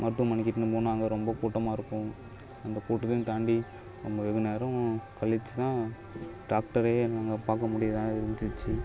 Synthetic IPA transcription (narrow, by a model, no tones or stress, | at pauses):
mɐɾɯt̪ːuɐmɐɳɪkːɪʈːɯnɯpoːnaːŋɡɐɾɔmbɐkuːʈːɐmaːɪɾɯkːʊ̃ | ɐnd̪ɐkuːʈːɯðɯt̪aːɳɖi | ɾɔmbɐʋɛɣɯneːɾɐ̃kɐɭɪt͡ʃːɯt̪ãː | ɖaːk̚ʈɐɾeːnaːŋɡɐpaːkɐmʊɽɪjat̪ãːɪɾɲd͡ʒɯt͡ʃːɯ